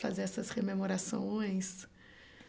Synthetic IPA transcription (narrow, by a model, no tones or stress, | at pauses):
fazeɾɛsɐshememoɾasõj̃s